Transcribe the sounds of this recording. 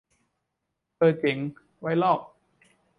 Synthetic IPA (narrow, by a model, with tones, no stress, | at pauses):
pɤː˨˩t̪̚t͡ɕe˩˦ŋ | wa˦˥jlɔː˥˩p̚